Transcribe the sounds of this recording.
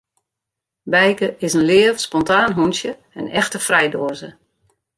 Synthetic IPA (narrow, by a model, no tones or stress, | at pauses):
bɛjkəɪsənlɪəfspɔntaːnɦunsjə | ənɛxtəfrɛjdoəzə